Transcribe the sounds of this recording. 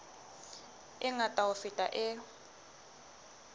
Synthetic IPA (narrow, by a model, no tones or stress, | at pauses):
ɪŋatʼaʊfitʼaʔɪ